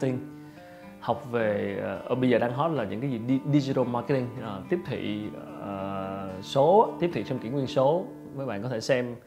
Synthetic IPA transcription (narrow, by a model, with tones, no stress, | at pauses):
t̪i˧ŋ | ha˨˩wk͡p̚ve˨˩˨ʔəː˧˩ɓə˧jzəː˨˩ɗa˧ŋɦɔ˦˥t̚laː˨˩ɲɨ̰˧˥ŋkaː˨˦zi˨˩ɗi˧˩ɗi˧zi˧t̪ə˧maː˧ke˦˥t̪i˧ŋʔəː˨˩t̪i˦˥əp̚t̪ʰḭ˧˨əː˨˩so˨˦t̪i˦˥əp̚t̪ʰḭ˧˨t͡ɕɔ˧wŋ͡mkḭ˧˩əŋwi˧ənso˨˦ | vəː˨˦jɓa̰ː˧˨nkɔ˨˦t̪ʰe˧˩sɛ˧m